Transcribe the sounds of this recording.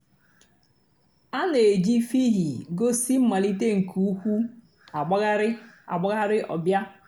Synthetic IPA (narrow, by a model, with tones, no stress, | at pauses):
a˦ne˨d͡ʒi˦fi˦ɦi˨ɡo˦si˦m̩˦ma˨li˦te˦ŋ̩˨kʰu˨u˦kʷu˦ | a˨ɡ͡ba˦ɣa˦ɾɪ˦ | a̰˨ɡ͡ba˦ɣa˦ɾɪ˦ʔɔ̰˨bja˦